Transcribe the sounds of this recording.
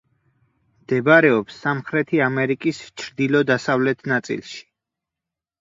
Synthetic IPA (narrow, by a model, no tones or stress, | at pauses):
md̪ɛbaɾɛɔpsːamχɾɛt̪ʰiamɛɾikʼist͡ʃʰɾd̪ilɔd̪asavlɛt̪ʰnat̪sʼḭlˠʃi̥